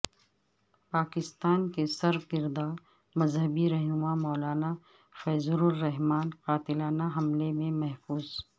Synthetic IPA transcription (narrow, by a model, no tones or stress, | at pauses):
paːkɪst̪aːnkesɐɾkɪɾd̪aːɾ | mɐzɦəbiɾɛɦnʊmamɔːlaːna | fɛːzʊɾʊlːɛɦmaːnqaːt̪ɪlaːnaɦɐmlemẽmɐɦfuːz